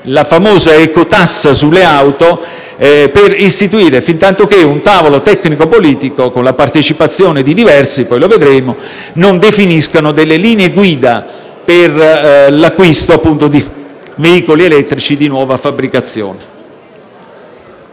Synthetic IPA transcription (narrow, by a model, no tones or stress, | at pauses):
lafamoːzaɛkot̪asːasulːeawt̪o | perist̪it̪uiːɾefint̪ant̪ok̟eunt̪aːvolot̪ɛkːnikopoliːt̪ikokonlapart̪et͡ʃipat̪sːjoːned̪id̪ivɛrsipɔjloved̪ɾeːmo | nond̪efiniskanod̪elːeliːneeɡwiːd̪a | perlakːwist̪oapːunt̪od̪i | veiːkolielɛt̪ːɾit͡ʃid̪inwɔːvafabɾikat̪sːjo̰ːne